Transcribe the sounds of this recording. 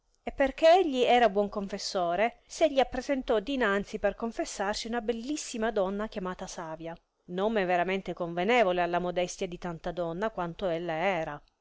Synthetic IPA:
epːerkeeʎːiɛːɾabwɔŋkoɱfesːoːɾeseʎːiapːɾezent̪ɔd̪inant̪siperkoɱfesːarsiunabelːisːimad̪ɔnːak̟jamaːt̪asaːvja | nomeveɾament̪ekoɱvenɛːvolealːamod̪ɛst̪jad̪it̪ant̪ad̪ɔnːakwant̪oelːaɛːɾa

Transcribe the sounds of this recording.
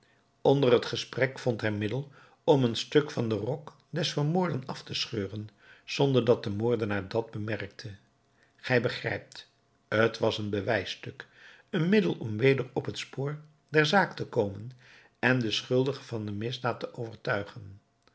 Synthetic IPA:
ɔndərɦətχəsprɛkfɔntɦɛjmɪdəlˠ | ɔmənstɵkfɑndərɔk | dɛsfəɹmʊːɹdənɑftəsχøːrən | z̥ɔndəɹdɑt̚dəmʊːɹdənaːɹdɑd̚bəmɛrk̚tʰə | χɛjbəχrɛ̰jp̚t | ɦətʋɑsənbəʋɛjstɵk | ənmɪdəlˠɔmʋejdərɔpɦətspoːɹ | dɛɹzaːktəkowmən | ɛndəsχɵlˠdəχəvɑndəmɪzdaːtəʔowvəɹtœɥχən

